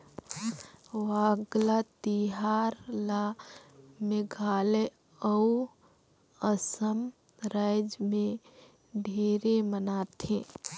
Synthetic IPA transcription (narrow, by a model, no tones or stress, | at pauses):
ɦmʋaɡlat̪iɦaɾla | mẽɡʱale | əu | əsəm | ɾajd͡ʒmẽ | ɖʱeɾemənat̪ʰẽ